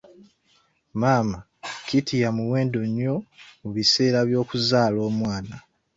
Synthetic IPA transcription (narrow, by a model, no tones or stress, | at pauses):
maːma | kitijamuwe̞ːndoɲːo̞muβise̞ːɾaβjo̞ːkuzaːlo̞ːmwaːna